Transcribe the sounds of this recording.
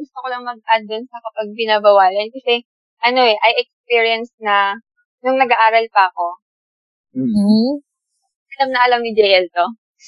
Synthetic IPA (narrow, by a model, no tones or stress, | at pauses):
ɡʊst̪okolɐŋmɐɡ̚ʔad̪onsɐkɐpɐɡ̚pɪnabɐwaːlɐnkɐsɛ | ʔɐno̞ɛʔɐjʔɛk̚spiɹiɐnsnɐ | nʊŋnɐɡaʔaːɾɐlpɐɐko̞ | m̩ːhm̩ | ʔɐlamnɐʔɐlɐmnɪd͡ʒɛjɐlt̪o